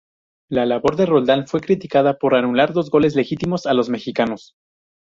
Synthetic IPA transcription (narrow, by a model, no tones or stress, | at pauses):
lalaβo̞ɾðe̞ro̞ld̪anfwe̞kɾit̪ikað̞apo̞ɾanulaɾðo̞zɣo̞le̞z̬le̞xit̪imo̞salo̞zme̞xikano̞s